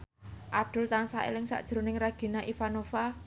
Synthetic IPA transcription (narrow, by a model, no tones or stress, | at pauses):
ʔab̚d̪̥ʊ̤lt̪ansaʔḛlɪŋsa̰ʔd̥ʒ̥ɾo̤nɪŋraɡ̥i̤naʔifanofa